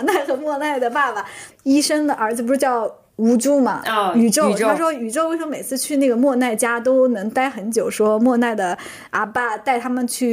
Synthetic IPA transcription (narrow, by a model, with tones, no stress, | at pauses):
na˥˩ɪxɤ˧˥mwɔ˥˧na˥˩ɪd̪ə˩pa˥˩ba˩i˥ʂə˥ŋd̪ə˩˨ʔə˞˧˥d͡zɹ̩˧pu˧˥ʂɻ̩˥˩˥t͡ɕjɑ˥˩ʊ | u˧˥ʈ͡ʂu˥mɐ̰˨y˨˩ʈ͡ʂo˥˧ʊ˨˩o˥˩˥ʂwɔ˥y˨˩ʈ͡ʂo˥˩ʊwe˥˧ɪʂə˧˥me˨˩ɪt͡sʰɹ̩˥˧t͡ɕʰy˥˧na˥˩ɡə˩mwɔ˥˧na˥˩ɪt͡ɕja˥t̪o˥ʊnɤ˧˥ŋt̪a˥˩ɪxə˧˥nt͡ɕjo˨˩ʊʂwɔ˥mwɔ˥˧na˥˩ɪd̪ə˩ | a̰˧˥pa˥˧˩t̪a˥˩ɪt̪ʰa˥mə˨nt͡ɕʰy˥˩